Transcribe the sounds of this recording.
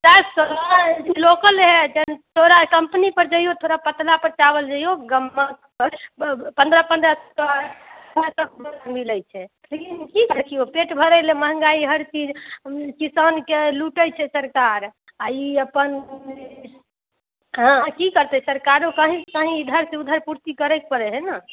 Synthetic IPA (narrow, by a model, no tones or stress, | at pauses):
t͡ʃabsolad͡ʒilokəlɦɛd͡ʒent̪ʰoɾakəmpnipəɾd͡ʒəɦijot̪ʰoɾapət̪lapəɾt͡ʃabəld͡ʒəɦijoɡəmːa | əlpə̃nd̪ɾəpənd̪ɾəst | mesəb̚bʱəɾamiləjt͡ʃʰɛ | lekinkikəkʰijopeʈbʱəɾɛɪleməɦə̃ŋɡaiɦəɾt͡ʃid͡ʒkisənkeluʈəjt͡ʃʰɛsəɾkaɾ | aiəpən | ɦãkikəɾt̪ɛsəɾkaɾokəɦĩkəɦĩd̪ʱəɾsẽud̪ʱəɾpuɾt̪ikəɾɛk̚pəɾɛɦɛna